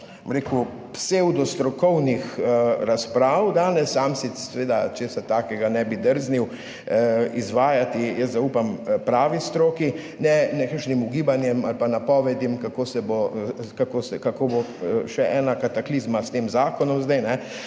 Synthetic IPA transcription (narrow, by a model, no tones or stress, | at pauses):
bomɾeku | psewd̪ɔst̪ɾɔkɔwnixɾaspɾaːwd̪aːnɛsːaːmsisɛʋeːd̪at͡ʃeːsat̪aːkɛɡanɛbid̪əɾzniw | izʋaːjat̪ijəszauːpampɾaːʋist̪ɾoːki | nɛnɛkəɾʃnimuɡiːbanjɛmalpanapɔːʋɛd̪imkakoːsɛbokakosɛkakoboʃɛʔɛːnakat̪aklizmast̪eːmzaːkɔnɔmzd̪ɛjnɛ